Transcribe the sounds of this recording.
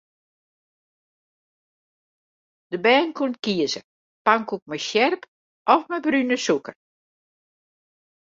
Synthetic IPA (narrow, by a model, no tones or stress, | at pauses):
d̥əbɛːnkuntkiəzə | paŋkuk̚mɛjsjɛrp | ʔɔfmɛjbrynəsukə